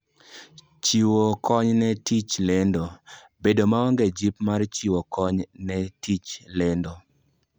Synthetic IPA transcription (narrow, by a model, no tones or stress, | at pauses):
t͡ʃiwokʰɔɲnɛtit͡ʃlendo | bedomaɔŋɡed͡ʒipmart͡ʃiwɔkɔɲnɛtit͡ʃlɛndɔ